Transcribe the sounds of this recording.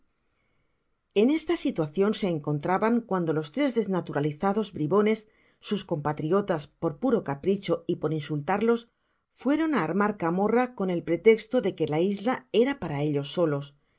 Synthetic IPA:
e̞ne̞st̪asit̪waθjo̞nse̞ːŋko̞nt̪ɾaβaŋkwand̪o̞lo̞st̪ɾe̞zðe̞znat̪uɾaliθaðo̞zbɾiβo̞ne̞sː | usko̞mpat̪ɾio̞t̪aspo̞ɾpuɾo̞kapɾit͡ʃo̞ipo̞ɾinsult̪aɾlo̞s | fwe̞ɾo̞naːɾmaɾkamo̞rako̞ne̞lpɾe̞t̪e̞kst̪o̞ðe̞ke̞laizlae̞ɾapaɾae̞ʎo̞sːo̞lo̞s

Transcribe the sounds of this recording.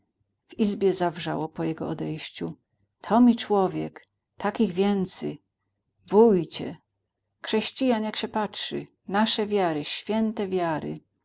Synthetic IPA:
v̥izbʲjɛzavʐa̰wɔpɔjɛɡɔɔd̪ɛjɕt͡ɕu | t̪ʰɔmʲit͡ʂwɔvʲjɛk | t̪akʲiɣvʲjɛnt̪sɛ̰ | vujt͡ɕɛ̰ | xʂɛɕt͡ɕijanjakɕɛpatʂɘ̰ | naʂɛvʲjaɾɘɕfʲjɛnt̪ɛvʲjaɾɘ̰

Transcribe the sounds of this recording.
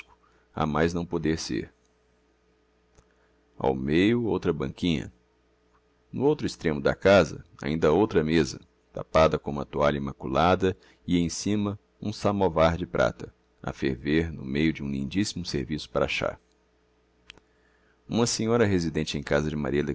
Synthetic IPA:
kʊ̥ | a̰majznɐ̃w̃pod̪eɾsḛɾ | a̰wmejʊowt̪ɾɐbɐ̃ŋkĩɲɐ̰ | nʊowt̪ɾʊist̪ɾẽmʊd̪ɐkazɐ̰a̰ĩnd̪ɐowt̪ɾɐmezɐ | t̪a̰pad̪ɐkõũmɐt̪uaʎɐimakulad̪ɐ | ɪẽj̃sĩmɐ | ũsamovaɾd͡ʒɪpɾʔa̰t̪ɐ | a̰fḛɾveɾnʊ̰mejʊd͡ʒɪũlḭ̃nd͡ʒisimʊseɾvisʊ̥paɾaʃa̰ | ũmɐsẽɲɔɾɐɦezid̪ẽnt͡ʃɪẽj̃kazɐd͡ʒɪma̰ɾiɐle

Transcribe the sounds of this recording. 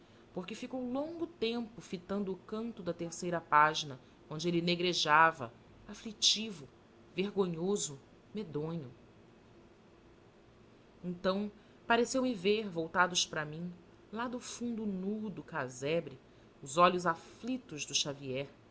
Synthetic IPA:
poɾkɪfikowlõŋɡʊt̪ẽmpʊfit̪ɐ̃nd̪ʊːkɐ̃nt̪ʊd̪ɐt̪eɾsejɾɐpaʒinɐ | õnd͡ʒɪelɪneɡɾeʒavɐ | aflit͡ʃivʊ | veɾɡõɲozʊ | med̪õɲʊ | ẽnt̪ɐ̃w̃ | paɾesewmɪveɾvowt̪ad̪ʊʃpɾɐmĩ | lad̪ʊfũnd̪ʊnud̪ʊkazɛbɾɪ | ʊzɔlʊzaflit̪ʊzd̪ʊʃaviɛɾ

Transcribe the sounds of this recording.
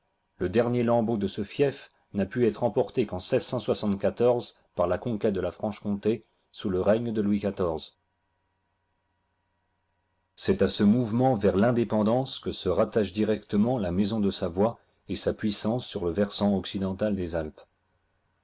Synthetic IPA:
ləd̪ɛʁnjelɑ̃bod̪əsəfjɛf | napyɛt̪χɑ̃pɔʁt̪ekɑ̃sɛzsɑ̃swasɑ̃t̪kʲat̪ɔʁz | paʁlakɔ̃kʲɛt̪̚d̪əlafχɑ̃ʃkɔ̃t̪e | suləʁɛɲd̪əlwikat̪ɔʁz | sɛt̪asəmuvmɑ̃vɛʁlɛ̃d̪epɑ̃d̪ɑ̃skəsəʁat̪aʃd̪iʁɛkt̪əmɑ̃lamezɔ̃d̪əsavwa | esapɥisɑ̃sːyʁləvɛʁsɑ̃ɔksid̪ɑ̃t̪ald̪ezalp

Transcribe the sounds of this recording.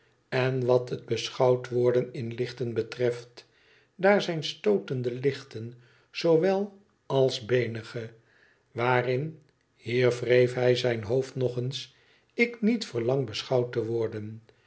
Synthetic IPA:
ɛnʋɑtɦəd̚bəsχɑwtʋʊːɹdənɪnlɪχtənbətrɛft | daːɹzɛjnstowtəndəlɪχtən | z̥owʋɛlˠ | ɑlˠzbejnəχə | ʋaːrɪn | hiːɹvrejfɦɛjzɛjnɦowftnɔχəns | ɪknitfəɹlɑŋbəsχɑwtəʋɔɹdən

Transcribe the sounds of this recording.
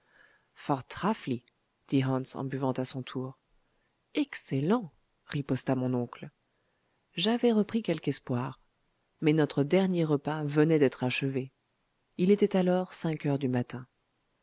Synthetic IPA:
fɔʁt̪χafli | d̪̥iʁɑ̃nsɑ̰̃byvɑ̃t̪asɔ̃t̪ʰuʁ | ɛkselɑ̃ | ʁipɔst̪amɔ̃nɔ̃kl | ʒavɛʁəpχikʲɛlkɛspwaʁ | mɛnɔt̪χəd̪ɛʁnjeʁəpavənɛd̪ɛt̪χaʃəve | ilet̪ɛt̪alɔʁsɛ̃kœʁd̪ymat̪ɛ̃

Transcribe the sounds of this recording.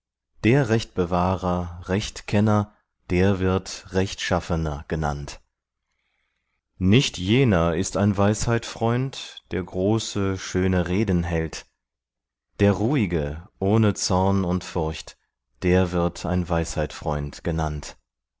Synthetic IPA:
d̥eːɐʁɛçt̚b̥əvaːʁɐʁɛçtkʰɛnɐ | d̥eːɐvɪɐtʁɛçtʃafənɐɡ̥əna̰nt | nɪçtjeːnɐɪstaɪnvaɪshaɪtfʁ̥ɔʏntd̥eːɐɡʁoːsəʃøːnəʁeːdn̩ɦɛlt | d̥eːɐʁuːɪɡəʔoːnət͡sɔɐnʊntfʊɐçt | d̥eːɐvɪɐtʰa̰ɪnvaɪshaɪtfʁ̥ɔʏntɡ̥ənant

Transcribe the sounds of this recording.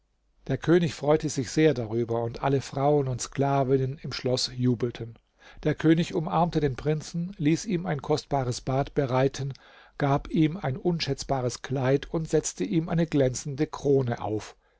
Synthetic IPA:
d̥eːɐkʰøːnɪçfʁ̥ɔʏtəzɪçz̥eːɐdaʁyːbɐʊntʔa̰ləfʁ̥aʊənʊntskl̥aːvɪnənɪmʃlɔsjuːbl̩tʰən | d̥eːɐkʰøːnɪçʊmʔaɐmtədeːnpʁ̥ɪnt͡sn̩liːsiːmaɪnkʰɔstb̥aːʁəsb̥aːtb̥əʁaɪtʰən | ɡ̥aːpiːmaɪnʔʊnʃɛt͡sb̥aːʁ̞əskʰlaɪtʰʊntz̥ɛt͡stəʔiːmʔaɪnəɡlɛnt͡sn̩dəkʁ̥oːnəʔa̰ʊf

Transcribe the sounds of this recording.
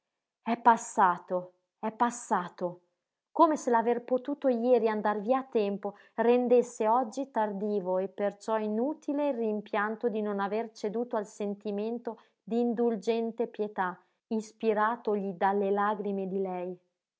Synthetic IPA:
ɛpːasːaːt̪o | ɛpːasːaːt̪o | koːmeselaverpot̪uːt̪ojɛːɾiand̪arviaːt̪ːɛmpo | rend̪esːeɔd͡ʒːit̪ard̪iːvoepːert͡ʃɔinuːt̪ʰileilrimpjant̪od̪inonavert͡ʃed̪uːt̪oalsent̪iment̪o | d̪iːnd̪uld͡ʒɛnt̪epjet̪a | ispiɾaːt̪oʎid̪alːelaːɡɾimed̪ilɛj

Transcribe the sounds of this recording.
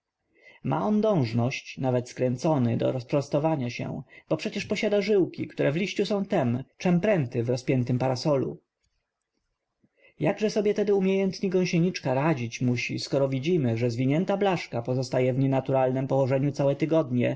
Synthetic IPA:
mʔa̰ɔnd̪ɔ̃w̃ʐnɔɕt͡ɕnavɛt̪skɾɛnt̪sɔnɘd̪ɔ̰ɾɔspɾɔst̪ɔvaɲaɕɛ̰b̥ɔpʂɛt͡ɕɛʂpɔɕad̪aʐɘwkʲḭkt̪uɾʔɛvlʲiɕt͡ɕusɔ̃w̃t̪ɛmt͡ʂɛmpɾɛnt̪ɘvɾɔspʲjɛnt̪ɘmpaɾasɔlṵ | jaɡʐɛsɔbʲjɛt̪ɛd̪ɘumʲjejɛnt̪ɲiɡɔ̃w̃ɕeɲit͡ʂkaɾad͡ʑit͡ɕmuɕḭskɔɾɔvʲid͡ʑimɘʐɛzvʲiɲɛnt̪ablaʂkapɔzɔst̪ajɛvɲɛnat̪uɾalnɛmpɔwɔʐɛɲut̪sawɛt̪ɘɡɔd̪ɲɛ̰

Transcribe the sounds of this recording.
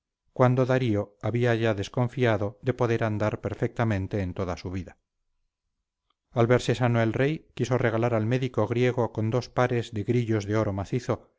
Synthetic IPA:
kwand̪o̞ðaɾio̞aβiaʝaðe̞sko̞ɱfiaðo̞ðe̞po̞ðe̞ɾand̪aɾpe̞ɾfek̚t̪amẽnt̪e̞ːnt̪oðasuβiða | alβeɾsesanoelre̞jkiso̞reɣ̞alaɾalme̞ðikoɣɾje̞ɣ̞o̞ko̞nd̪o̞spaɾe̞zðe̞ɣɾiʎo̞zðeo̞ɾo̞maθiθo

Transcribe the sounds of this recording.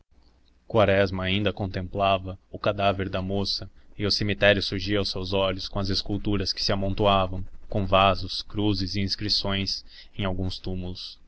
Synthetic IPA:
kwaɾɛzmɐːĩnd̪ɐkõnt̪ẽmplavɐʊkad̪aveɾd̪ɐmosɐɪʊsemit̪ɛɾjʊsuɾʒiɐawsewzɔʎʊskõɐzeskuwt̪uɾɐskɪ̥sɪamõnt̪oavɐ̃w̃kõvazʊskɾuzɪzɪĩskɾisõj̃s | ẽj̃awɡũst̪umulʊs

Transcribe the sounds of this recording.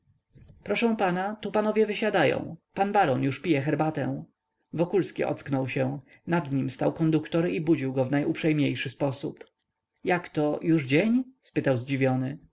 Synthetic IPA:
pɾɔʂɛ̃w̃panat̪upanɔvʲjɛvɘɕad̪ajɔ̰̃w̃panbaɾɔnjuʂpʲijɛxɛɾbat̪ɛ̰̃w̃ | vɔkulskʲḭʔɔ̰t̪sknɔwɕɛ̃ | nad̪ɲimst̪awkɔnd̪ukt̪ɔɾɛʔibud͡ʑiwɡɔvnajʔupʂɛjmɲejʂɘspɔsup | jakt̪ɔjuʐd͡ʑeɲspɘt̪awzd͡ʑivʲjɔnɘ

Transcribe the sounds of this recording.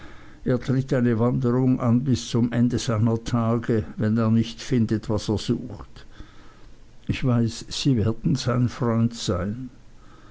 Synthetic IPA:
ʔeːɐtʁ̥ɪtaɪnəvandəʁʊŋʔa̰nbɪst͡sʊmʔɛndəzaɪnɐtʰaːɡəvɛneːɐnɪçtfɪndətv̥aseːɐz̥uːxt | ʔɪçv̥aɪsːiːvɛːɐdn̩z̥aɪnfʁɔʏntz̥aɪn

